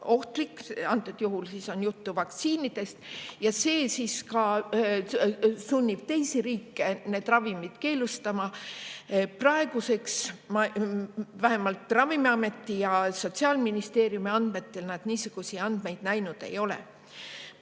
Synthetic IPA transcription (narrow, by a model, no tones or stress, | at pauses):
o̞ht̪likːɑnt̪ːˑud̪̥juɦulsiso̞njut̪ːuvɑkt̪siːnid̪̥e̞st̪jɑse̞ːsiskɑ | sunʲːib̥̚t̪e̞jsiɾiːkːe̞ne̞d̪̥rɑvimid̪̥ke̞ːlust̪ɑmɑ | prɑe̞ɡ̥use̞ksmɑ | væɦe̞mɑlt̪ːrɑvimiɑme̞t̪ːijɑso̞t̪ʲsiɑːlminist̪e̞ːɾijumiɑnd̪me̞t̪ːe̞lnæd̪̥niːsuɡ̥usiɑnd̪̥me̞jd̪̥næjnud̪̥e̞̰jo̞lḛ